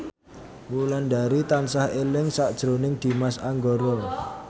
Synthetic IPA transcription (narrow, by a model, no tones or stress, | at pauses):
muland̪aɾit̪ansahelɪŋsaʔd̥ʒ̥ɾonɪŋd̪̥i̤masaŋɡɔɾɔ